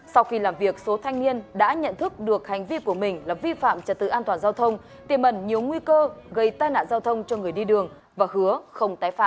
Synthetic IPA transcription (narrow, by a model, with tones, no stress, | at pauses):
sa˧wxi˧laː˨˩mvi˨˩ək̚so˨˦t̪ʰa˧jŋ̟ni˧ənɗa̰ː˧˥ɲə̰˧˨nt̪ʰɨ˦˥k̚ɗɨ˨˩ək̚ha˨˩jŋ̟vi˧ku˧˩əmï˨˩ŋ̟laː˨˩vi˧fa̰ː˧˨mt͡ɕə˨˩t̚t̪ɨ̰˧˨ʔaː˧t̪waː˨˩nzaː˧wt̪ʰə˧wŋ͡m | t̪i˧˩əmʔə˧˩nɲi˨˩əwŋwi˧kəː˧ɣə˧jt̪aː˧jna̰ː˧˨nzaː˧wt̪ʰə˧wŋ͡mt͡ɕɔ˧ŋɨ˨˩əjɗi˧ɗɨ˨˩əŋ | vaː˨˩hɨ˨˦əxə˧wŋ͡mt̪aː˨˦jfa̰ː˧˨ʔ